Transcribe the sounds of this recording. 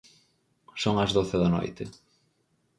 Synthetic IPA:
soŋɐzðoθɪðɐno̰jt̪ɪ

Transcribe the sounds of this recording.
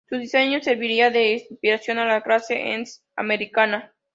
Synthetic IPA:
suðise̞ɲose̞ɾβiɾiaðe̞ːspiɾasjo̞nalaklasḛʔḛns | a̰me̞ɾikana

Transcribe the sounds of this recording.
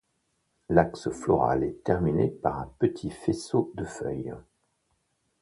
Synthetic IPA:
laksəflɔʁa̰lɛt̪ɛʁminepaʁɛ̃pət̪ʰifesod̪əfœj

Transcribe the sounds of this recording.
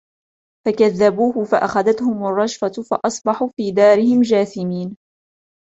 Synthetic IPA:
fakaðːabuːhʊfaʔaxaðat̪hʊmarˤːɑʃfafɑʔɑsˤbɑħuːfiːd̪aːɾɪhɪmd͡ʒaːθɪmiːn

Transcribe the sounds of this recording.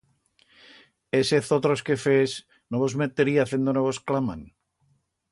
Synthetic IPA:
eseθot̪ɾoskefes | noβozmet̪eɾiaθend̪onoβosklama̰n

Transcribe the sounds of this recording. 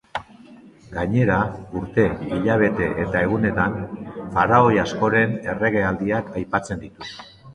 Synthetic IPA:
ɡaɲe̞ɾauɾt̪e̞iʎaβ̞e̞t̪e̞ʔet̪ae̞ɣ̞une̞t̪anfaɾao̞jasko̞ɾe̞ne̞re̞ɣe̞ald̪iakʰajpat͡se̞nd̪it̪u̥

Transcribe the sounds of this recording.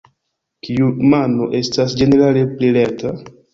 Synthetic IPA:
kiumano̞̰ʔe̞stasd͡ʒe̞ne̞ɾale̞plileta

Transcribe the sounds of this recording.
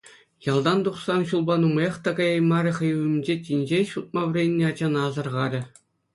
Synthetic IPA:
jɑlˠd̪ɑnd̪uχsɑnɕulˠbɑnumjeχt̪ɑɡɑjɑjmɑɾʲɘ̆χɤ̆jɘmʲd͡ʑetʲinʲd͡ʑeɕut̪̚mɑʋ̆rʲenʲːeɑd͡ʑɑnɑzɤ̆rʁɑɾʲɘ̆

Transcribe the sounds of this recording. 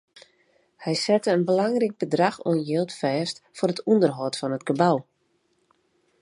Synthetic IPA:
hɛjsɛtəənbəlaŋrik̚b̥ədraxɔ̰ənjelˠtfɛːstfʊrətundərɦɔtfɔnətɡ̥əbaw

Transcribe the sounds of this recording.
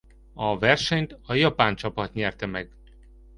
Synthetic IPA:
ɒvɛrʃɛɲt̪ɒjɒpaːnt͡ʃɒpɒt̪ɲɛrt̪ɛmɛɡ

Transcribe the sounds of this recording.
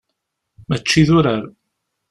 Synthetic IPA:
mæt͡ʃːiðʊɾaɾ

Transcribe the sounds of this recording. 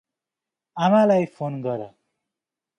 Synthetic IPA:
amalajpʰonɡʌɾʌ

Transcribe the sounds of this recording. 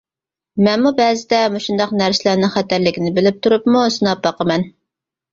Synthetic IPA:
mɛnmubɛːzɪd̪ɛmuʃund̪ɑqnæɾsɪlæɾnɪŋχæt̪æɾlɪkʲinɪbɪlɪp̚t̪ʰuɾupmusɨnɑp̚bɑqəmɛn

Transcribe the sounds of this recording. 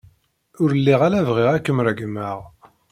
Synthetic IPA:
ʊɾəlːiʁalævʁiʁækːəmɾəɡməʁ

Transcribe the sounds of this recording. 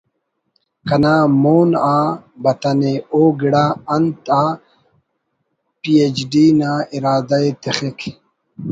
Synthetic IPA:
kɐnaːmoːnaːbɐt̪ɐneoːɡiɽaːɐnt̪aː | pied͡ʑɖiːnaːiɾaːd̪ɐet̪exekʰ

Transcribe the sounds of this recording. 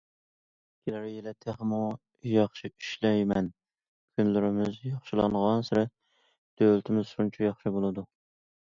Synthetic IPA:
kʲʰelæɾɪjelɛt̪ʰeχmu | jɑχʃiyʃlɛjmɛn | kʲʰynlɪɾɪmɪzjɑχʃɪlˠɑ̰ɴʁɑnsɪɾɛt̪̚ | d̪̥ølt̪ʰɪmɪzʃunt͡ʃʰɛjɑχʃɨbolˠɨd̪u

